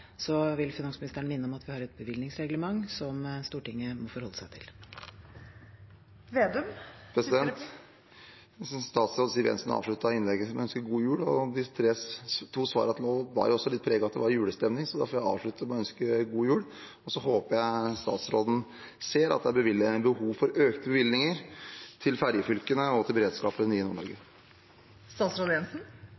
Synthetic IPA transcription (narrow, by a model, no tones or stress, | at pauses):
sɔʋɪlfɪnɑŋsmɪnɪst̪əɳəmɪnːəɔmɑt̪ʋɪhɑːɾɛt̪̚bəʋɪlnɪŋsɾɛɡləmɑŋːsɔmst̪uːʈɪŋːəmɔfɔɾhɔlːəsæɪt̪ʰɪl | ʋeːd̪ʉmpʰɾɛsɪd̪ɛnt̪ | sɔst̪ɑːt̪sɾoːd̪siːʋɛ̰nsn̰ɑ̰ːʋʂɭʉt̪ːɑɪnlɛɡəsɔmœnskəɡuːjʉːɽɔd̪ɪt̪ʰɾeːt̪ʰuːsʋɑ̰ːɾəɑt̪noːʋɑ̰ɾjʊɔsːɔlɪt̪̚pʰɾɛːɡɑt̪d̪ɛ̰ʋɑɾjʉːɽəst̪ɛmnɪŋsɔd̪æɾfɔɾjæɪɑ̰ːʋʂɭʉt̪ːəmɛɔœnskəɡuːjʉːɽ | ɔsɔhoːpəjæɪst̪ɑ̰ːt̪sɾoːd̪n̩ | seːɾɑ̰t̪̚d̪ɛbəʋɪlːəænbəhuːʋfɔɾøːkt̪əbəʋɪlnɪŋəɾt̪ʰɪlfæɾjəfʏlkənəɔt̪ʰɪlbəɾeːd̪skɑːpəniːənuːɭɔ̰ɾɡə | st̪ɑːt̪sɾoːd̪ɛnsn̩